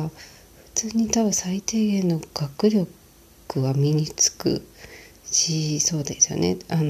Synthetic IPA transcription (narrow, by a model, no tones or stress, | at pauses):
ɸɯ̟̥t͡sɨːɲ̟it̪aβɯ̟̃sait̪e̞ːɡẽ̞nːo̞ɡ̥akɯ̟ɾʲo̞k | ɯ̟βamʲiɲ̟it͡sɨ̥kɯ̰ | ɕiso̞ːd̪e̞sɨjo̰nḛan